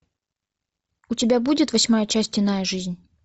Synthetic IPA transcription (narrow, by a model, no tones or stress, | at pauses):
utʲɪbʲabudʲɪt̪vɐsʲmajət͡ʃasʲtʲɪnajəʐɨzʲnʲ